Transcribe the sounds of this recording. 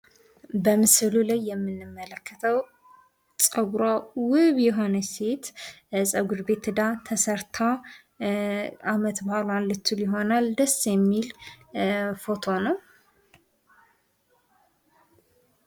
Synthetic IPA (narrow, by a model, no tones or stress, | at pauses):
bəmɨsɨlulajːɛmːɨnːɨmːələkːət̪ʰəw | t͡sʼəɡuɾawɨβjɛɦo̞nəse̞t̪ | sʼəɡud̪be̞t̪ɨd̪at̪ʰəsəɾt̪ʰa | ʔamət̪bahlanlɨt̪ːulɪɦo̞nald̪əsːjɛmːil | fo̞t̪ʰo̞nəw